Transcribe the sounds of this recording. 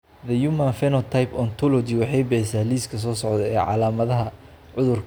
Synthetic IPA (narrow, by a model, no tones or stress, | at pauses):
ðɐjumanfɛnɐt̪ʰajpɔnt̪ʰɔlɔd͡ʒɪwɑħɑjbɛjsaːliːskʰɐs̬ɔːsɔʕd̪ɛɛːʕɑ̰laːmɐðɐɦɐ | ʕʊðʊrk